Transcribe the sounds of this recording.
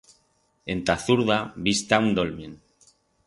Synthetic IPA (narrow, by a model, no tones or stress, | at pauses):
e̞nt̪aθuɾðaβist̪aund̪olmin